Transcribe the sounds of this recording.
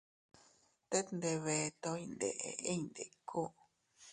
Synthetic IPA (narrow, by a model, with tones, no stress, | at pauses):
t̪e˦t̪nd̪e˧βe˧t̪õ˧˦ĩ˧nd̪ḛ˨ʔḛ˨˧e˦˧nd̪e˨kʰo˦ʔ